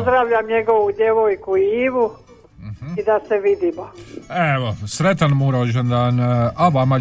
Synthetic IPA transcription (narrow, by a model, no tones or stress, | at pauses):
zd̪ɾaʋʎamɲeɡoʋud̪jeʋoːjkuiːʋu | m̩id̪aseʋid̪imoeʋosɾet̪anmuɾoʒend̪aːnaʋama